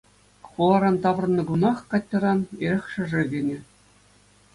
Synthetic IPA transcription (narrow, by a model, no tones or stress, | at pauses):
χulˠɑɾɑnt̪ɑʋ̆rɤ̆nːɤ̆ɡunɑχkɑtʲːɤ̆ɾɑneɾʲɘ̆xʲʂɘ̆ʐɘ̆ɡʲenʲɘ̆